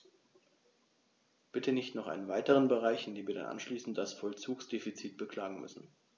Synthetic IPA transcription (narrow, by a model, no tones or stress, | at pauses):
b̥ɪtʰənɪçtnɔχʔa̰ɪnənvaɪtəʁ̞ənbəʁ̞aɪçɪndeːmviːɐda̰nʔa̰nʃliːsn̩t̚d̥asfɔlt͡suːksd̥eːfit͡siːt̚b̥əkʰl̥aːɡŋ̩mʏ̰sn̩